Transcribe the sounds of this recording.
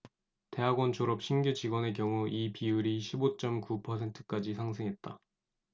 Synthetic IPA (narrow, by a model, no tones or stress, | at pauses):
te̞ɦaɡwʌnt͡ɕʰoɾʌp̚ɕʰinɡjut͡ɕiɡwʌne̞k̬jʌŋuʔipiuɾiɕʰibot͡ɕ͈ʌmkupʰʌsʰe̞ntʰɯ̥k͈ad͡ʑisʰaŋsʰeŋɦe̞t̚t͈a